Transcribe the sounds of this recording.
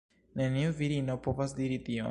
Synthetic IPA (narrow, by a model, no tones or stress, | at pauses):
neniuviɾinopovasdiɾitio̰